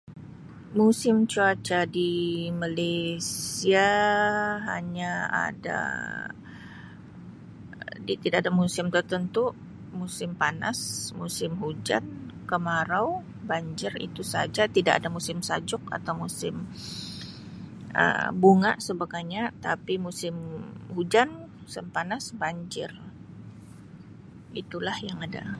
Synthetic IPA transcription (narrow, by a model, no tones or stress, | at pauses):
musɪmt͡ʃuat͡ʃadimalesia | ɦa̰ɲaa̰da̰ | dit̪idaʔadamusɪmt̪ərt̪ənt̪u | musɪmpana̰smusɪmɦud͡ʒa̰nkəmaɾaw | baɲd͡ʒɪrḭt̪usa̰d͡ʒat̪idaʔa̰damusɪmsad͡ʒʊka̰t̪awmusɪm | ʔə̰buŋa̰ʔsəbaɡajɲat̪apimusɪmhud͡ʒanusɪmpanasbaɲd͡ʒɪr | it̪ulahjaŋada̰